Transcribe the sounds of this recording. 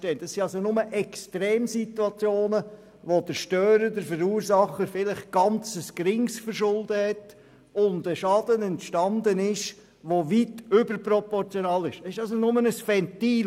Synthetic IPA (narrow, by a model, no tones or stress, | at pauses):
tɛːnd̥ɑsːiɑlsonʊməʔɛkstɾeːmsituɑt͡sjoːnə | ʋod̥əɾʃtœːɾəɾdəɾfəɾuːɾsɑχəɾfɪləχɡ̥ɑnt͡səskɾɪŋsfəɾʃʊldəhɛt | ʊndəʃɑd̥̪ənɛntʃtɑndənɪʃ | ʋoʋitʏbəɾprɔpɔɾt͡sjɔnɑːlɪʃɪʃɑlsonʊmənəsfɛntiː